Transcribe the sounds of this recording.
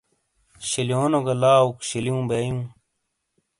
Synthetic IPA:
ɕiljoːnoɡɐlaːukɕiljũːbeːjũː

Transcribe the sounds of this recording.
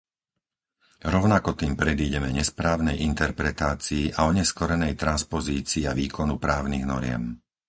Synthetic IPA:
ɾɔʊnakɔt̪iːmpɾɛd̪iːɟɛmɛɲɛspɾaːʊnɛjʔint̪ɛɾpɾɛt̪aːt͡siːʔaɔɲɛskɔɾɛnɛjt̪ɾanspɔziːt͡siːaʋiːkɔnupɾaːʊniɣnɔɾɪɛ̰m

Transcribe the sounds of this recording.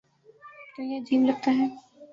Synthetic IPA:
t̪ojad͡ʒiːmlɐɡ̚t̪aɦɛː

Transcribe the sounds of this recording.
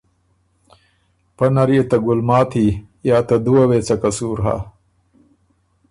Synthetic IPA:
pɐnɐɾjet̪ɐɡulmaːt̪ʰi | jaːt̪ɐd̪uwɐweːt͡sɐkɐsuːɾɦa̰ː

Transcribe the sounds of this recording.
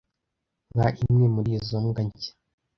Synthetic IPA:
ɡaʔimŋemuɾizoŋɡaɲcḁ

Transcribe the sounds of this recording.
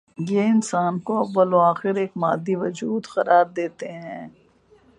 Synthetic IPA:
jeɪnsaːnkoɐʋʋɐloaːxɪɾeːkmaːd̪ːiʋɐd͡ʒuːd̪xɐɾaːɾd̪eːt̪eɦɛ̃ː

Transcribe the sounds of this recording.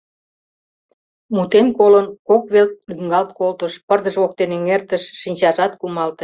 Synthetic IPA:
mut̪enkolənkokβelt̚lyŋɡɑlt̪kolt̪ə̆ʃpərd̪əʒβok̚t̪eneŋert̪ə̆ʃːinʲt͡ɕɑʒɑt̪kumɑlt̪ə

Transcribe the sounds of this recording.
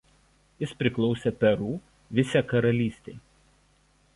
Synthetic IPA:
jɪspʲɾʲɪklˠɔʊsʲepʲɛɾuː | ʋʲɪsʲɛkɐɾɐlʲiːsʲt̪ʲeɪ

